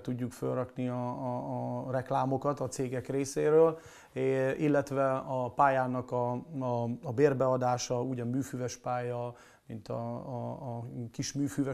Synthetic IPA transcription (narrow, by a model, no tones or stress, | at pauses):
t̪uɟːukfølrɒkniɒ | rɛklaːmo̞kɒt̪ɒt̪seːɡɛkreːseːɾøːl | ilːɛt̪ʋɛɒpaːjaːnɒkɒː | beːrbɛɒd̪aːʃɒuːɟɒmyːfyvɛʃpaːjɒ | mint̪ɒ̰ | kiʃmyːfyvɛ